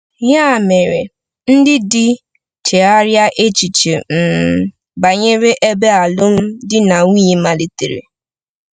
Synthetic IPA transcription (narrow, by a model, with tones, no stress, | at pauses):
ja˦˨me˨ɾe˨ | n̩˦dɪ˦dɪ˦ | tʰe˨a˦ɾja˦ʔe˦t͡ʃi˨t͡ʃe˨m̩˨ | ba˨ɲe˦ɾe˦ʔe˦be˦a˨lʊ˦m̩˦dɪ˦na˨ŋʷ˦i˦ɲe˦ma˨li˨tḛ˨ɾḛ˨